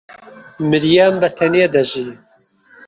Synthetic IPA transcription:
mɨɾjambɐt̪ʰɐned̪ɐʒi

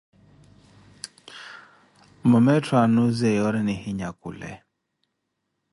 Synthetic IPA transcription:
mɔmɛtanuzɛjɔɾɛnɪhiɲakṵlɛ̰

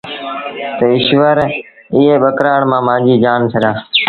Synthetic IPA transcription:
t̪əɪʃʋəɾɪɦeːɓəkɾaːɳmãːmãːd͡ʒiːd͡ʒaːnt̪ʰəɗaː

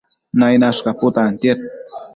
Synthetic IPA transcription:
najnaʃkɑpʊt̪aːnt̪jet̪

